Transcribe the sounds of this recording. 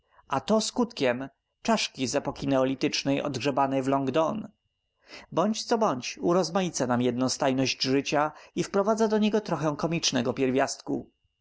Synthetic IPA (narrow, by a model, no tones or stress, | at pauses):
ʔat̪ɔskut̪kʲɛm | t͡ʂaʂkʲizɛpɔkʲinɛɔlʲit̪ɘt͡ʂnɛjʔɔ̰d̪ɡʐɛbanɛjvlɔŋɡd̪ɔn | bɔɲt͡ɕt̪sɔbɔɲt͡ɕuɾɔzmajit̪sanamjɛd̪̚nɔ̃w̃st̪ajnɔʑd͡ʑʐɘt͡ɕaifpɾɔvad̪zad̪ɔɲɛɡɔt̪ɾɔxɛw̃kɔmʲit͡ʂnɛɡɔpʲjɛɾvʲjast̪kṵ